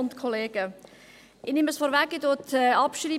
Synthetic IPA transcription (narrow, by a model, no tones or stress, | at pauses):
ʊntkʰɔleːɡ̥ə | ʔɪnɪməsfɔɾvækːɪdotːɑpʃriː